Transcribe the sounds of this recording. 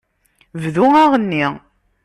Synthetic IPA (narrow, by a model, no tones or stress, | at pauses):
vðuæʁənːi